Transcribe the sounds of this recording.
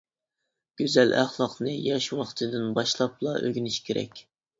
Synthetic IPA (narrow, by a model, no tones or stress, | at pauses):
ɡ̥ʲyzælʔæ̰χlˠɑqnɨjɛʃwɑχt̪ʰɨd̪ɨnbɑʃlˠɑplˠɑʔø̰ɡʲynɪʃkʲʰeɾɛ̰kʲ